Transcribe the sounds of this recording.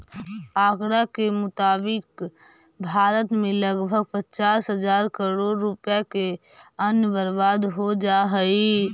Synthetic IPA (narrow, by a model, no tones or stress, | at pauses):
aːkɾakemʊt̪aːbɪk | bʱaːɾət̪mẽləɡbʱəɡ̚pət͡ʃaːsɦəzaːɾkəɾoːɽɾʊpjakeənbəɾʋaːd̪ɦod͡ʒaːɦəi